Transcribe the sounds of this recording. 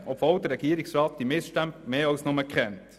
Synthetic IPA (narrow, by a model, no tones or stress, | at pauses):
ɔpv̥old̪əɾɛɡ̥iːɾɪksɾɑːt̚d̥̪imɪsʃtæmpmeːɑlsnʊməkχɛnt